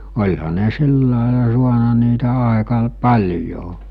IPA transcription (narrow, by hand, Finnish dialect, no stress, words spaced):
olʲhɑ ne silːɑˑelɑ suɑnɑ niːtæ ɑˑekɑ l pɑlʲjo